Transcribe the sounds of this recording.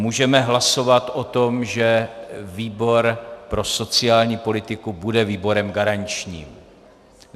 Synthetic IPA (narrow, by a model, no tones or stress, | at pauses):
muːʒɛmɛɦlaso̞vat̪ʔo̞t̪o̞mʒɛviːbo̞ɾpɾo̞so̞t͡sɪaːlɲiːpo̞lɪt̪ɪkubudɛviːbo̞ɾɛmɡaɾaɲt͡ʃɲiːm